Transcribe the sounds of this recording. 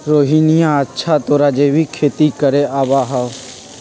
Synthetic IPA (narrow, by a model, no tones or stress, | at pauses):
ɾoːɦiːnɪjãːətːʃʰaːt̪oːɾaːd͡ʒeːʋiːkʰeːt̪iːkəɾeːaːʋaːɦaː